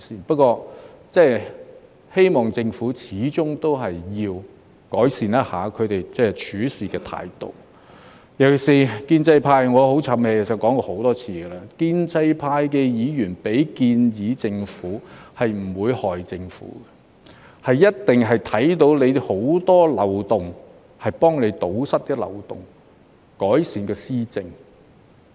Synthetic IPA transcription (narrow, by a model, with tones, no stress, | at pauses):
iː˨pɐ˥t̚kɔː˧t͡sɛː˥˩ | he˥jmɔː˨ŋt͡sɪ˧ŋfuː˨˥t͡sʰiː˨˥t͡ʃʊ˥ŋt̪o˥wɦɐ˨jːiː˧w | kɔː˨˥jsiː˨njɐ˥t̚ha̰ː˨˥kʰɵ˨˧t̪e˨jt͡sɛː˥˩t͡ʃʰyː˨˥siː˨˩kɛː˧t̪ʰa̰ː˧jt̪o̰˨w | jɐ˨˩wksiː˨kiː˧nt͡sɐ˧jpʰaː˧jŋɔː˨˧ho˨˥wt͡sʰɐ˨˥mheː˨˧jke˨˩sɐ˨˩t̚kɔː˨˥ŋkɔː˧ho˨˥wt̪ɔː˥t͡sʰiː˧ɡə˧laː˧kiː˧nt͡sɐ˧jpʰaː˧jkɛː˧jiː˨˧jyː˨˩npe˨˥jkiː˧njiː˨˥t͡sɪ˧ŋfuː˨˥hɐ˨jm̩˨˩wuː˨˧jhɔː˨˩jt͡sɪ˧ŋfṵː˨˥ɡɛ˧ | hɐ˨jːɐ˥t̚t̪ɪ˨ŋɦɐ˨jt̪ʰɐ˨˥jt̪o˨˥wle˨˧jho˨˥wt̪ɔː˥lɐ˨wt̪ʊ˨˩ŋ | hɐ˨jpɔː˥ŋle˨˧jt̪o˨˥wsɐ˥t̚kɛ˧lɐ̰˨˩wt̪ʊ˨˩ŋ | kɔː˨˥jsiː˨˧nkɛː˧siː˥t͡sɪ˧ŋ